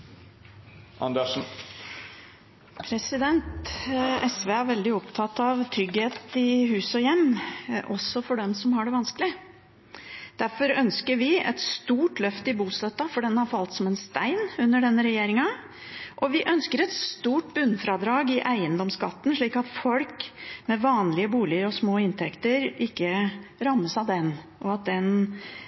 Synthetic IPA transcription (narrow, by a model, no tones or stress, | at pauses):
ʔɑ̰nd̪əʂn̩ | pʰɾɛsɪd̪ɛnt̪ɛsʋeːæɾʋɛld̪ɪɔpt̪ʰɑt̪ːɑʋt̪ʰɾʏɡheːt̪ɪɦʉːsɔjɛmːʔɔsːɔfɔɖɛmsɔmhɑɖɛʋɑnskəlɪ | d̪̥æɾfɔɾœnskəɾʋɪɛ̰t̪st̪uːʈlœft̪əɪbuːslœt̪ːɑfɔɖɛnhɑɾfɑlt̪sɔmɛnst̪æɪnʉnːəɖɛnːəɾɛjeːɾɪŋɑ | ʔɔʋɪʔœnskəɾɛt̪st̪uːʈbʉnːfɾɑd̪ɾɑːɡɪʔæɪənd̪ɔmskɑ̰t̪ːn̩ʂɭiːkɑt̪fɔlkmɛʋɑːnlɪəbuːlɪəɾɔsmoːɪnt̪ʰɛkt̪əɾɪkːəɾɑmːəsɑʋd̪ɛnːʔɔɑt̪̚d̪ɛn